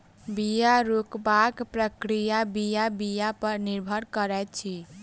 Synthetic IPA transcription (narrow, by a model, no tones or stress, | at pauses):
bijaɾokbakpɾəkɾijabijabijapəɾniɾbʱəɾkəɾɛt̪̚t͡ʃʰi